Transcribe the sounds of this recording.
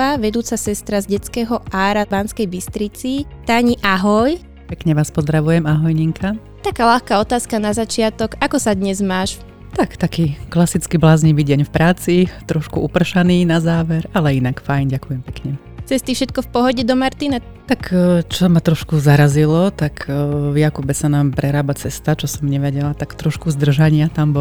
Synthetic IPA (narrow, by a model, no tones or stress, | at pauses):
aʋɛd̪uːt͡sasɛst̪ɾazɟɛt͡skɛːɦɔʔaːɾabaːnskɛjbist̪ɾit͡sit̪aːɲiʔaɦɔj | pɛkɲɛʋaːspɔzd̪ɾaʋujɛmaɦɔjɲiŋkʰa | t̪akaːlaxkaɔt̪aːskanazat͡ʃɪat̪ɔɡakɔsad̪ɲɛzmaːʃ | t̪akt̪akiːklasit͡skiblaːzɲiʋiːɟɛɲfpɾaːt͡sit̪ɾɔʃkuupr̩ʃaniːnazaːʋɛɾalɛinakfajnɟakujɛmpɛkɲɛ | t͡sɛst̪ifʃɛt̪̚kɔfpɔɦɔɟɛd̪ɔmaɾt̪inɛ | t̪akt͡ʃɔmat̪ɾɔʃkuzaɾazilɔt̪akvjakubɛsanaːmpɾɛɾaːbat͡sɛst̪at͡ʃɔsɔmɲɛʋɛɟɛlat̪akt̪ɾɔʃkuzd̪r̩ʒaɲɪat̪ambɔ